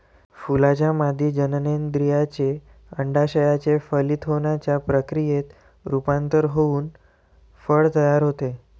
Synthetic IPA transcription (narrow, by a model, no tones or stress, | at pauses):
fulat͡ɕjamad̪ʱiːd͡ʑənənend̪ɾijat͡ɕe | əɳɖaɕəjat͡ɕefəlit̪ʰonat͡ɕjapɾəkɾijet̪ | ɾupant̪əɾɦouːn | fəɭt̪əjaɾɦot̪e